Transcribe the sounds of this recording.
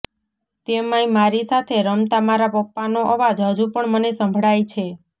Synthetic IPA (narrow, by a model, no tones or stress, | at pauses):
t̪emaimaɾisat̪ʰeɾəmt̪amaɾapək̚panoʔəʋad͡ʒɦəd͡ʒupəɳmənesə̃mbʱɽajt͡ʃʰe